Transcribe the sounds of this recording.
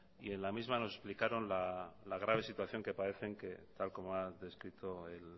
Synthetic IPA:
ie̞nlamizmano̞s̬e̞splikaɾo̞nlalaɣ̞ɾaβ̞esit̪waθjo̞ŋke̞paɾe̞θe̞ŋke̞t̪alko̞moaðe̞skɾit̪o̞el

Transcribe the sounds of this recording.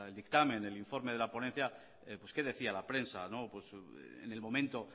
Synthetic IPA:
eld̪ikt̪amẽ̞ne̞liɱfo̞ɾmeð̞e̞lapo̞nen̟θja | epwe̞ske̞ðe̞θialapɾe̞nsanopwe̞sḛne̞lmõ̞mẽnt̪o̞

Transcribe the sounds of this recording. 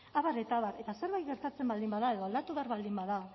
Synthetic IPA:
aβaɾe̞t̪aβaɾe̞t̪ase̞ɾβajt̪ɡɣe̞ɾt̪at͡se̞mbald̪imbaðae̞ðo̞ald̪at̪uβaɾβald̪imbaða

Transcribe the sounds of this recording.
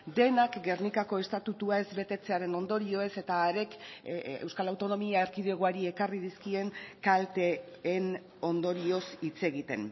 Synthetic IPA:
d̪e̞nakɡe̞rnikako̞e̞st̪at̪ut̪uae̞zβe̞t̪e̞t͡se̞aɾe̞no̞nd̪o̞ɾio̞e̞se̞t̪aːɾe̞kḛwskalawt̪o̞no̞miaeɾkiðe̞ɣ̞oaɾie̞kariðiskie̞ŋkalt̪e̞ː | n | o̞nd̪o̞ɾio̞sit͡se̞ɣit̪e̞̰n

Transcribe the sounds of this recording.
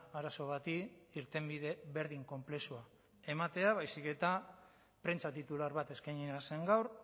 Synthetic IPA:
aɾaso̞βat̪iːɾt̪e̞mbiðeβe̞ɾðiŋko̞mple̞sua | e̞mat̪e̞aβ̞ajsike̞t̪a | pɾe̞nt͡ʃat̪it̪ulaɾβat̪e̞skajɲinase̞ŋɡawɾ

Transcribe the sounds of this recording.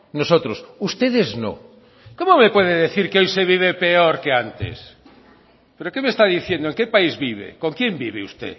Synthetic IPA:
nosot̪ɾosust̪eðezno̰ | komomepweðeðeθiɾkeojseβiβ̞epeoɾkeant̪ḛs | peɾokemest̪aðiθjend̪oeŋkepaizβiβḛkoŋkjembiβeust̪ḛ

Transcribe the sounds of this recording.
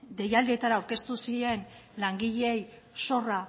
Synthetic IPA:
d̪e̞jald̪iet̪aɾaːwɾke̞st̪usie̞nlaŋɡiʎeej | so̞ra

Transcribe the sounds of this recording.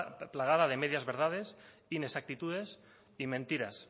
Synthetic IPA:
plaɣ̞aðað̞e̞meðjazβe̞ɾð̞að̞e̞s | inesak̚t̪it̪uð̞e̞s | imẽnt̪iɾas

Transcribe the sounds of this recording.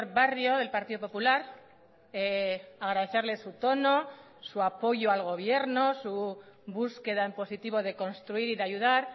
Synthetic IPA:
ɾβarjoðe̞lpaɾt̪iðopo̞pulaɾ | eaɣɾaðe̞θeɾle̞sut̪o̞no̞ | suapo̞ʝoalɣ̞o̞β̞je̞ɾno̞suβuske̞ðaempo̞sit̪iβo̞ð̞e̞ko̞nst̪ɾuiɾiðeajuðaɾ

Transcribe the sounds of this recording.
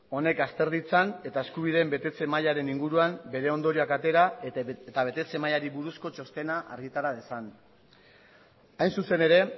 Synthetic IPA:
o̞ne̞kast̪e̞ɾðit͡sane̞t̪ae̞skuβ̞ið̞e̞mbe̞t̪e̞t͡se̞majaɾe̞niŋɡuɾuambe̞ɾe̞o̞nd̪o̞ɾiakat̪e̞ɾaet̪aβe̞t̪e̞t͡se̞majaɾiβuɾusko̞t͡ʃo̞st̪e̞naʔa̰ɾɣit̪aɾað̞e̞san | ajnsuse̞ne̞ɾe̞

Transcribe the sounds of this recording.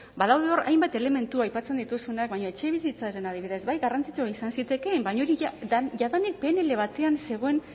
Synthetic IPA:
baðawðeo̞rʔa̰jmbat̪e̞le̞me̞nt̪uajpat͡se̞nd̪it̪usunak̚βaɲoe̞t͡ʃe̞β̞isit͡saɾenað̞iβiðe̞sbajɣarant͡sit͡soaisansit̪e̞kembaɲo̞ɾiʝaðanik̚pene̞le̞β̞at̪e̞anse̞ɣ̞o̞e̞n

